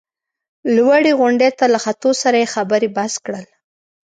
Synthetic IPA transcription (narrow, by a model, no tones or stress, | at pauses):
lwaɽeɣʊɳɖet̪alaxat̪osaɾajexabəɾebaskɽəl